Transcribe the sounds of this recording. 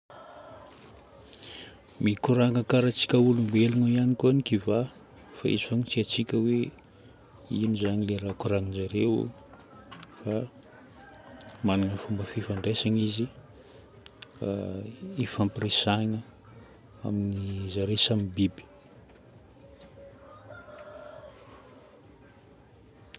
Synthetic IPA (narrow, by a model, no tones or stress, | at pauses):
mikuɾaŋakaɾat͡si̥kʲəulumbeluŋaianikuanikiva | fa̰ḭzi̥faŋit͡siat͡sikʲəwe | inuzaɲileɾakuɾaŋinzaɾew̰ | fa | maniŋəfumbəfifaɳɖ͡ʐesaŋizi | efampirisaŋə | a̰minizaɾesaminbibi̥